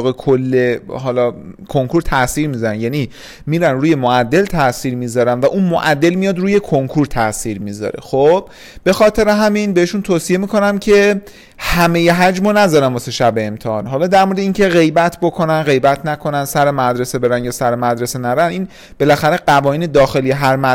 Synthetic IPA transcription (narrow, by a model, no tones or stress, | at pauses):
ɣekʰolːeɦɒːlɒkʰoŋkʰuɾt̪ʰæsiɾmizɒɾænjæni | miːɾænɾuːje̞moæd̪ːe̞lt̪ʰæʔsiːɾmiːzɒɾænvæʔunmo̰ʔæd̪ːe̞lmijɒːd̪ɾuːje̞kʰoŋkʰuɾt̪ʰæsiːɾmizɒ̰ɾḛxob̥ | be̞xɒːt̪ʰe̞ɾe̞ɦæminbeeʃunt̪ʰoːsie̞miːkʰo̞næmcʰe̞ | hæme̞je̞ɦæd͡ʒmonæzɒːɾæmbɒseʃæbeemt̪ʰehɒːnɦɒːlɒːd̪æɾmoɾed̪eiːncʰe̞ɣe̞jbæt̪ʰbo̞kʰo̞nænɢe̞jbæt̪ʰnækʰo̞nænsæɾemæd̪ɾe̞sebe̞ɾænjɒːsæɾemæd̪ɾe̞senæɾænʔiːn | b̥e̞læxæɾe̞ɢævɒːniːned̪ɒːxe̞lijeɦæɾmæ